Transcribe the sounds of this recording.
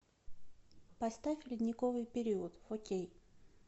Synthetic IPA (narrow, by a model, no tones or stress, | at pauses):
pɐst̪afʲlʲɪd̪ʲnʲɪkovɨjpʲɪɾʲiət̪fokʲej